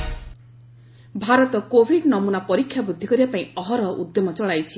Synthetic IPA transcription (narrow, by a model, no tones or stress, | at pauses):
bʱaɾɔt̪ɔkobʱiɖnʌmunapʌɾikʰːjabud̪ʱːikʌɾjapaĩʌɦʌɾʌʔṵd̪jomʌt͡ʃɔɭajt͡ʃʰi